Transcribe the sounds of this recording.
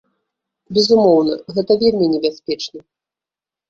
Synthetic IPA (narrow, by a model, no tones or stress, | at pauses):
bʲɛzumɔwnɐɣɛt̪ɐvʲelʲmʲinʲɛbʲasʲpʲɛt͡ʂnɐ